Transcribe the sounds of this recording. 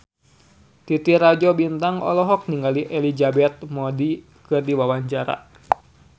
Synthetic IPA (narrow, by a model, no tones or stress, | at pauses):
t̪it̪irad͡ʒɔbint̪aŋɔ̰lɔɦɔk̚niŋɡaliʔɛlid͡ʒabɛt̪̚mɔdi | kɨrdiwawaɲt͡ʃaɾa̰